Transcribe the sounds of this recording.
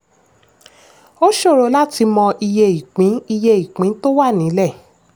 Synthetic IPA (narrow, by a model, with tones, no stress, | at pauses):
o˦ʃo˦˨ɾo˧˦la˦ti˧mɔ̃˧ʔi˧je˧i˨k͡pĩ˨˦i˧je˧i˨k͡pĩ˨˦to˦wa˦˨nĩ˨˦lɛ˦˨